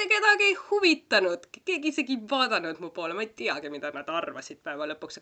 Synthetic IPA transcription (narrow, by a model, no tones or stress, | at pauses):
eke̞d̪̥ɑɡiejhuvit̪ːˑɑnud̪̥ke̞ːɡiise̞ɡivɑːd̪̥ɑnud̪̥mupo̞ːlemɑejt̪iɑɡ̥imid̪̥ɑnɑd̪̥ɑrvɑ̰sʲid̪̥̚pæevɑlɤpːuks